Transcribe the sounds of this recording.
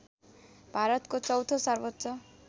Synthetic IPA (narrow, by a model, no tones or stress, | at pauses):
bʱaɾʌt̪kot͡sʌwt̪ʰosʌrbʌt̪ːsʌ